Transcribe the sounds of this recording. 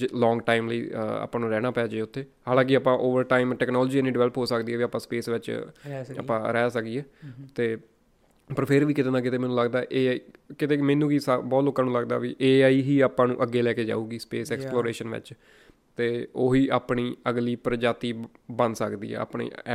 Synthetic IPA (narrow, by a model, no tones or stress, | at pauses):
lɔ̃ːŋɡʈaːimləḭːa̰ːpãːnũːɾɛːñaːpɛːd͡ʒeːʊt̪ʰːeːhaːlãːk̬ɪaːpãːʔoːʋəɾʈaːimʈɛːknɔːlɔːd͡ʒiːɛniːɖɪʋɛːləpɦoːsəkd̪iːɛːʋiːaːpːãːspeːsʋɪt͡ʃ | ə̰pːãːɾɛːsək̚d̪iːɛːt̪eː | pəɾpʰɪɾʋiːkɪt̪eːnãːk̬ɪt̪eːmɛ̃ːnũːləɡd̪aːʔeːaːikɪt̪eːmɛ̃ːnũːɡiːsabɔːt̪loːkːãːnũːləɡd̪a̰ːʋiʔeːaːiːɦiːaːpãːnṵ̃ːʔəɡːeːlɛːkeːd͡ʒa̰ːuːɡiːspeːsɛːksploːɾeːʃənʋɪ̰t͡ʃ | t̪eːoːɦiːʔaːpɳiːəɡliːpɾəd͡ʒaːt̪iːbənd̪sə̰kd̪ḭːɛ̰ːa̰ːpɳḭː